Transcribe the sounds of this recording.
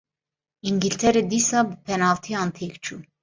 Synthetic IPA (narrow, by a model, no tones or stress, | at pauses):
iŋɡilt̪ʰɛɾəd̪isɑbəpʰɛnɑlt̪ʰiɑnt̪ʰikt͡ʃʰu